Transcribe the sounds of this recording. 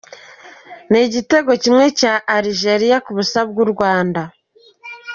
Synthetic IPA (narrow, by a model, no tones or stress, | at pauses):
niɟite̞ɡo̞cimŋe̞caʔːɾiʒe̞ɾijakuβusab̚ɡuɾɡwaːnda